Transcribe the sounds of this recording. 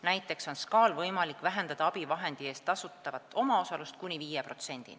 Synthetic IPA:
næjt̪ːˑe̞kso̞nskɑːlvɤjmɑlikvæɦe̞nd̪ɑd̪ɑɑb̥ivɑɦe̞nd̪̥ie̞ːst̪ːɑsut̪ːˑɑvɑt̪ːˑo̞mɑo̞sɑlust̪̚kunʲiviːjepro̞t̪se̞nʲd̪̥ḭ

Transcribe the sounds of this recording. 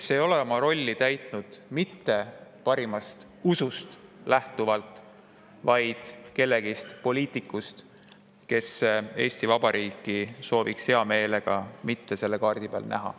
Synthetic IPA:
sejo̞leomɑɾo̞lʲːit̪æjt̪nud̪̥mit̪ːe̞pɑɾimɑst̪ | usust̪læht̪uvɑlt̪ˑ | vɑjd̪̥ke̞lːe̞ɡ̥ist̪po̞liːt̪ˑikːˑust̪ | ke̞se̞ːsʲt̪ivɑb̥ɑɾʔiːkːˑiso̞ːvikshe̞ɑme̞ːle̞ɡ̥ɑmit̪ːe̞se̞lːe̞kɑːrd̪̥ipḛlnæ̰ɦɑ̰

